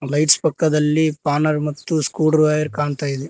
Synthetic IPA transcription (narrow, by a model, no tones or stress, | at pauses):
lɐjʈspɐkːɐd̪ɐlːipaːnɐɾmɐt̪ːuskuːɖɾʋaːjɐɾkaːɳt̪aːjid̪e